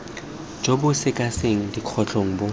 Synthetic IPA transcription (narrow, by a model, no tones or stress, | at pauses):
d͡ʒobʊsɪkʼaseŋ̩diq͡χʰɔt͡ɬʼoŋ̩bo